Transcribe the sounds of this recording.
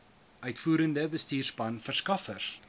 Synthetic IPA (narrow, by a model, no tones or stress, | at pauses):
ʔœɥtfuːɾəndəbəstiːrspɐnfərskɐfərs